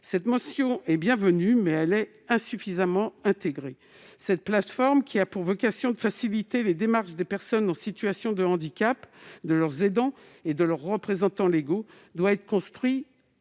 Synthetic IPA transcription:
sɛt̪mɔsjɔ̃ɛbjɛ̃vənymɛɛlɛ | ɛ̃syfizamɑ̃ɛ̃t̪eɡʁe | sɛt̪̚plat̪fɔʁmkʲʰiapuʁvɔkasjɔ̃d̪əfasilit̪eled̪emaʁʃd̪epɛʁsɔnɑ̃sit̪yasjɔ̃d̪əɑ̃d̪ikʲapd̪əlœʁzed̪ɑ̃ | ed̪əlœʁːəpχezɑ̃t̪ɑ̃leɡo | d̪waɛt̪χə̥kɔ̃st̪χɥi

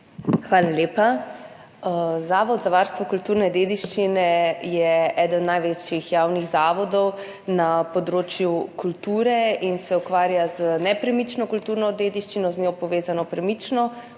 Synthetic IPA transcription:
xʋaːlaleːpa | zaːʋɔd̪zaʋaɾst̪ʋɔkult̪uːɾnɛd̪eːd̪iʃt͡ʃinɛjɛɛːd̪ənɔnajʋet͡ʃjixjawniɣzaːʋɔd̪ɔw | napɔd̪ɾoːt͡ʃjukult̪uːɾɛinsɛukʋaːɾjaz̥ənɛpɾɛmit͡ʃnɔkult̪uːɾnɔd̪eːd̪iʃt͡ʃinɔznɲoːpɔʋeːzanɔpɾɛmit͡ʃnɔ

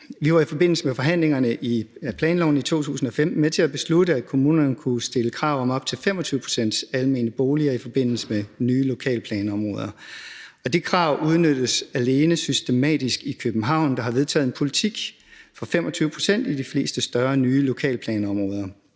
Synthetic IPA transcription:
ʋiʋɑ̈ifɒ̽b̥e̝n̰l̩səmefɒ̽ɦæn̰leŋɐnəʔipʰlɛːnlɒ̰ʊnəit͡sʰo̝̰ːt͡sʰṵːsn̩ɒ̽fem̰̩met͡sʰe̝læb̥e̝sluɾəækʰo̝muːnɐnəkʰusd̥e̝ləkʰʁɑ̈ʊ̰ɒ̽mɒ̽b̥̚t͡sʰe̝lfemɒ̽t͡sʰyːʊəpʰʁo̝̥sen̰d̥sælme̝̰ːnəb̥o̝ːliɐifɒ̽b̥e̝n̰l̩səmenyːlo̝kʰɛ̰ːlpʰlɛːnɒ̽mʁɔ̽ːð̞ˠɐ | ɒ̽d̥ikʰʁɑ̈ʊ̰uð̞ˠnød̥əsæle̝ːnəsysd̥e̝mɛ̰ːd̥isɡ̥ikʰøb̥n̩ɦɑ̈ʊ̰nd̥ɑ̈ɦɑ̈ʋe̝ð̞ˠt͡sʰɛ̰ːð̩ˠenpʰo̝lit͡sʰiɡ̥ | fɒ̽femʔɒ̽t͡sʰyːʊəpʰʁo̝̥sen̰d̥id̥ifle̝̰ːsd̥əsd̥ɶɐnyːlo̝kʰɛ̰ːlpʰlɛːnɒ̽mʁɔ̽ːð̞ˠɐ

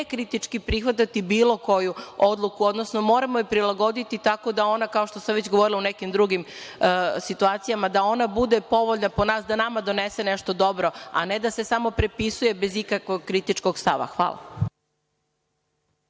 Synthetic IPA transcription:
ekɾit̪it͡ʂkipɾixʋat̪̬at̪ibiːlo̞ko̞juo̞d̪lˠukuo̞d̪no̞sno̞mo̞ːɾamo̞ipɾilˠaɡo̞d̪it̪it̪ako̞d̪ao̞nakao̞ʃt̪o̞saʋet͡ɕɡoʋoɾilaunekimd̪ɾuɡim | sit̪uaːt̪sijamad̪ao̞nabud̪e̞po̞ʋoʎnaponaːsd̪anamad̪o̞neseneʃt̪o̞d̪o̞bɾo̞a̰ne̞d̪ase̞samo̞pɾepisuje̞be̞zikakʋoɡkɾit̪it͡ʃko̞ɡst̪aʋa̰xʋa̰lˠa̰

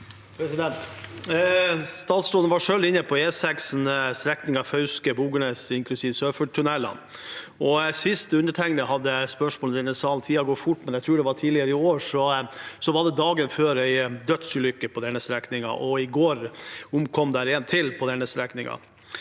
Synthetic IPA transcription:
pʰɾɛsɪd̪ɛnt̪ | st̪ɑːt̪sɾɔːd̪nʋɑʂøːld̪ɪnːəpʰɔeːsɛksn̩st̪ɾɛknɪŋɑfœʉskəbuːɡəɳeːsɪŋkʰlʉsiːʋsøːfəʈ̪ʰːʉnɛlːɑ̰nɔsɪst̪ʉnd̪əʈʰɛŋnəɦɑd̪ːəspœʂmoːld̪ɛnːəsɑːlt̪ʰiːɑɡɔtfʊʈːmɛnjæɪt̪ʰɾuːɖɛʋɑʈʰiːlɪəɾəɪoːʂɔsɔʋɑɖɛd̪ɑːɡənføːɾæɪd̪œt̪sʉːlʏkːəpʰɔd̪ɛnːəst̪ɾɛknɪŋɑ̰ʔɔɪɡoːɾʊmkʰɔmd̪æɾɛnt̪ʰɪlpʰɔd̪ɛnːəst̪ɾɛknɪŋɑ̰

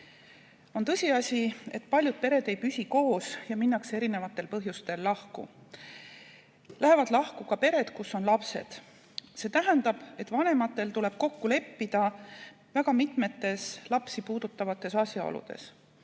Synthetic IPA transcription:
o̞nt̪ɤsʲiɑsʲie̞t̪ːpɑlʲjud̪̥̚pe̞ɾe̞d̪ejpysʲiko̞ːsjɑminːɑkse̞ɾine̞vɑt̪ːˑe̞lpɤɦjust̪e̞lːɑhkṵ | lʔæɦe̞vɑd̪̥lɑhkukɑpe̞ɾe̞d̪̥kusːo̞nlɑpse̞̰d̪̥ | se̞ːt̪æɦænd̪ɑb̥e̞t̪ːˑvɑnemɑt̪ːˑe̞lt̪ule̞b̥̚ko̞kːule̞pːid̪̥ɑ | væɡ̥ɑmit̪ˑme̞t̪ːe̞slɑpsipuːd̪̥ut̪ːˑɑvɑt̪ːˑe̞sɑsʲjɑo̰lṵd̪̥e̞̰s

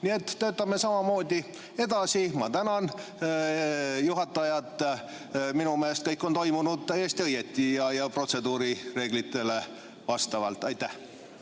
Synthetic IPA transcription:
nie̞t̪ːø̞ːt̪ːˑɑmesɑmɑmo̞ːd̪̥ʲi | e̞d̪ɑsimɑt̪ænɑn | juɦɑt̪ːˑɑjɑt̪ːˑ | minumeːst̪̚kɤjkːˑo̞nt̪o̞jmunud̪̥̚t̪æjːe̞st̪iɤje̞t̪ːˑijɑjɑpro̞t̪se̞d̪uːɾire̞ːɡ̥lit̪ːˑe̞le̞ | vɑst̪ɑvɑ̰lt̪ːˑɑjt̪ːæh

